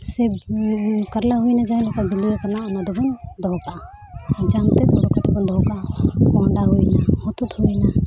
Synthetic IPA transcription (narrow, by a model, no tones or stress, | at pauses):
sɛ | kaɾlaɦujnad͡ʒaɦɛlɔkabilujɛkanaʔɔnad̪ɛbund̪ɔɦka | d͡ʒamt̪ɛt̪ɔɽɔkat̪ɛbɔnd̪ɔɦɔkakɔɦɖaɦujnahɔt̪ut̪hujna